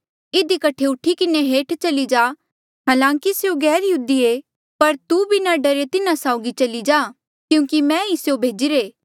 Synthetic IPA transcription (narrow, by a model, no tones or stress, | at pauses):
ɪd̪ikɐʈʰeʊʈʰikɪneɦeːʈt͡ʃɐlid͡ʒaː | ɦaːlãːkiseũɡɛːɾjəɦud̪ie | pɐɾt̪ubʱinaɖɐɾet̪ɪnasaːʊɡit͡ʃɐlid͡ʒaː | kjũːkimɛ̃isjobʱeːd͡ʒɪɾeː